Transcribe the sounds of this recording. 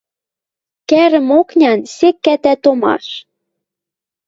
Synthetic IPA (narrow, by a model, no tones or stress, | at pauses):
kæɾɘ̆moknʲɑnsekːæt̪æt̪omɑ̰ʃ